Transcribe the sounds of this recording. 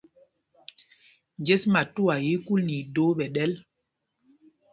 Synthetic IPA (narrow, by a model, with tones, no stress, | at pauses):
nd͡ʒe˦sma˨tu˦wa˨ji˦ku˦lni˨do˨˦ɓɛ˨ɗɛ˦l